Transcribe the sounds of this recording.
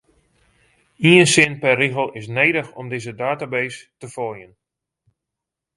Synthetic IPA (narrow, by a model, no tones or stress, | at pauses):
iənsɪnpɛriɣəlˠɪs̬nejdəxɔmdɪzədaːtabejstəfɔjən